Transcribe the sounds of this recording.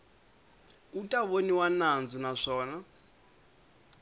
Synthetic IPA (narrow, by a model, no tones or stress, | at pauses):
utʼaβoniwanand͡zunaʂɔːna